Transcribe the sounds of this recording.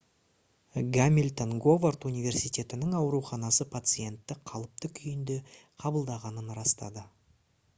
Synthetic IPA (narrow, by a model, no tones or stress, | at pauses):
ɡamʲilʲt̪onɡo̞vart̪unijvʲe̞rsijt̪ʲe̞t̪ɪnɪŋɑwɾuχɑnɑsəpʰat̪sɨje̞nt̪ːɪqʰɑlˠəp̚t̪əkʲʰʏjɪnd̪e | qʰɑbəlˠd̪ɑʁɑnənɾɑst̪ɑ̰d̪ə